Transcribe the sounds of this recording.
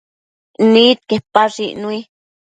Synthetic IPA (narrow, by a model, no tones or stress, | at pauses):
nit̪̚kepaʐḭni